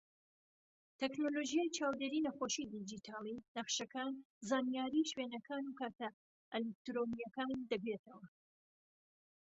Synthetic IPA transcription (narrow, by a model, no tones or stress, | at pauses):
t̪ʰɛknoloʒijajt͡ʃaːwd̪eːɾiːnɐxoʃid̪id͡ʒit̪ʰaːlˠinɐχʃɐkan | zaːnijaːɾiːʃwenɐkʰaːnukaːt̪ɐ | ɛlek̚t̪ɾonijɐkaːnd̪ɐɡɾet̪ʰɐwɐ